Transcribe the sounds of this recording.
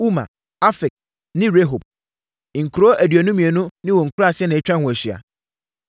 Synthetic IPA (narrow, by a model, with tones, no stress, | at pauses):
u˦mã̰˨ | a˦fɪ˨k̚ | nɪ̃˦ɾe˦ɦo˨b̚ | ŋ̩˨kʰu˨ɾo˦ʔæ˨dɥæ˨nũ˦mĩ˨e˨nʊ̃˦nɪ̃˦wɔ˨ŋ̩˨kʰu˦ɾa˦˨sɪ˦ɛ˦nɪ̃˨ɛ˦t͡ɕᶣã˦˨hʊ̃˨æ˨ɕi˨a̰˨